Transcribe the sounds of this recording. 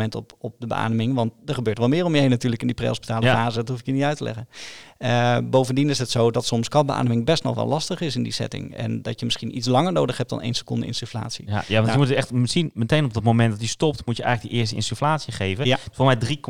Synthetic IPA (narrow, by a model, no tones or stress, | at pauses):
mɛntɔpɔp̚dəbə̰ʔa̰ːnəmɪŋʋɑnt̚dəɹχəbøːtʋɔlˠmɪːrɔmjəɦejnːatyːɹləkɪndiprḛɔspitaːləfaːzədɔtɦufɪkjənitœɥtəlʔɛ̰ɣənəbowvəndinɪsɦətsowdɑtsɔmskɑbəʔa̰ːnəmɪŋbɛstnɔ̰χʋɛ̰lɑstəχɪsɪndisɛ̰tɪ̰ŋɛ̰ndɑtjəmɪsχinitslɑŋəɹnoːdəχɦɛp̚td̥ɑ̰nḛjnsə̥kɔndə̰ɪ̰nsyfla̰ːtsḭajaʋɑnjəmutɛχtmɪsinmətenɔb̚dɔtmomɛndɔtistɔp̚tmutjəʔɛ̰jɣələɡdəʔɪːɹstəɪ̰nsyflaːtsiχejvəfomɛjdri